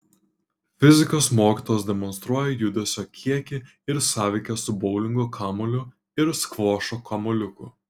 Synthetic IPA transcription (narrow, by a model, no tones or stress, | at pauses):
fʲɪzʲɪkoːsmoːkʲiːt̪oːjɛsd̪ʲɛmɔnst̪ɾuɔjɛjʊd̪ʲʊsʲoːkʲʰiɛkʲɪ | ɪɾsɑːʋʲɛɪkʲɛsʊbɔʊlʲɪŋɡoːkʰɑːmɔlʲʊ | ɪɾskʋoːʃoːkɐmɔlʲʊkʊ